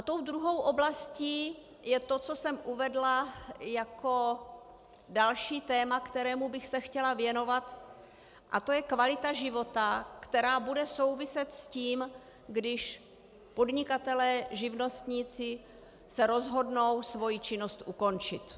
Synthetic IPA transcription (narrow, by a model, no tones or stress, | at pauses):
at̪o̞wd̪ɾuɦo̞wʔo̞blasciː | jɛt̪o̞t͡so̞sɛmʔuvɛdlajako̞ | dalʃiːt̪ɛːmakt̪ɛɾɛːmubɪxsɛxcɛlavjɛno̞vat̪ | ʔat̪o̞jɛkvalɪt̪aʒɪvo̞t̪akt̪ɛɾaːbudɛso̞wvɪsɛt̪sciːm | ɡdɪʃ | po̞dɲɪkat̪ɛlɛːʒɪvno̞st̪ɲiːt͡sɪ | sɛɾo̞zɦo̞dno̞wsvo̞jit͡ʃɪno̞st̪ʔuko̞nt͡ʃɪ̰t̪